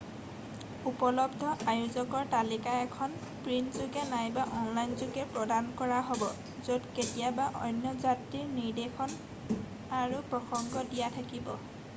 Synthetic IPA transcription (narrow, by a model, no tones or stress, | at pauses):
upɔlɔbdʱɔʔajuzɔkɔɹtalikaɛkʰɔn | pɹinzʊɡɛnajbaʔɔnlajnzʊɡɛpɹɔdankɔɹaɦobɔ | zodketijabaʔɔjnjɔzatɹiɹniɹdexʰɔn | aɹupɹɔxɔŋɡɔdijatʰakibɔ